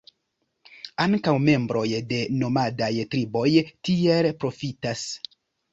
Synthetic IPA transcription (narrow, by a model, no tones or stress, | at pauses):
aŋkawme̞mbɾo̞jde̞no̞madajtɾibo̞jtielpɾo̞fitas